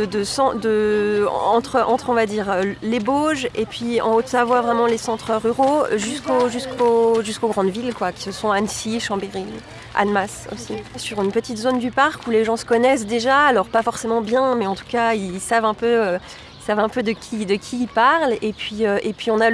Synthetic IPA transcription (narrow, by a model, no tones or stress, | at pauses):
d̪əsɑ̃d̪ə̰ | ɑ̰̃t̪χəʔɑ̃t̪χɔ̃vad̪iʁøleboʒepɥiɑ̰̃ot̪savwavʁɛmɑ̃lesɑ̃t̪χəʁyʁo̰ʒyskoʒyskʰoʒyskoɡʁɑ̃d̪vilkwakʲi̥səsɔ̃ansiʃɑ̃beʁi | a̰nmaso̰sisyʁynpət̪it̪zond̪ypaʁkuleʒɑ̃sə̥kɔnɛs̬d̪eʒaːlɔʁpafɔʁsemɑ̃bjɛ̃mɛɑ̃t̪u̥kaillsavɛ̃pøø | ilsavɛ̃pød̪əkʲʰid̪əkʲʰiːlpaʁlepɥiøʔepɥiɔ̃na